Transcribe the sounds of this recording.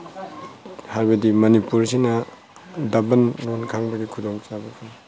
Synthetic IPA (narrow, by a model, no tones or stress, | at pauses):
haɾbɐdimɐnipuɾsinɐ | dɐbɐnlonkʰaŋbɐɡikʰudoŋt͡ʃabɐkʰaŋ